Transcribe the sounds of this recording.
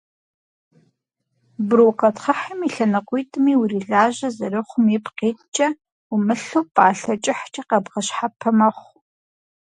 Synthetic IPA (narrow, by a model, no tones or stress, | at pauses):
broːqɐtχɐħɐmiɬɐnɐqʷujtʼɨmiːwʊɾiːɮaːʑɐzɐrɨχʷʊmipqeːtʰʼt͡ʃʼɐ | umɨɬuːpʼaːɬɐt͡ʃʼɪħt͡ʃʼiqɐbʁɐɕħapʰɐmɐχʷ